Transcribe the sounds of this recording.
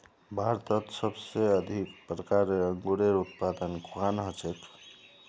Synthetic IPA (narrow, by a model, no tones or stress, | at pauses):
bʱaɾt̪ət̪səbseəd̪ʱik̚pɾəkaɾeəŋɡuɽeɾut̪̚pad̪ənkʰuanɦət͡ʃet̪